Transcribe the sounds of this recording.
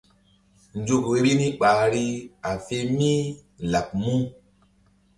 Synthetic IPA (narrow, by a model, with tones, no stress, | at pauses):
n˨˦d͡ʒo˦ko˨e˦ɾi˦nĩ˦k͡paː˨ɾi˦a˨fe˦mĩ˦ | la˨k̚mũ˦